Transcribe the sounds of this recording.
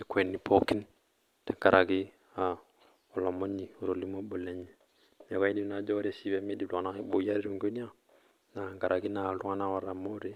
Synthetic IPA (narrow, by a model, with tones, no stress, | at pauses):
e˨kʰʷe˨nːi˨po˦ki˦n | te˨ŋka˨ɾʔa˨ɡi˦ | a˨ | o˨lo˨mo˦ɲi˨u˨ɾo˨li˦mo˦ɓo˨le˦ɲi˨ | mo˨ka˦i˦di˦˨na˨d͡ʒo˦ɾe˨si˨be˨˦me˦di˨la˨na˦ɓo˨ja˦ɾi˦ɾu˨ŋɡo˦n˦a˦ | na˨ŋɡa˨ɾʔa˨ɡi˦na˨lu˦ŋa˦na˦wa˨ɾa˨mo˦ɾi˨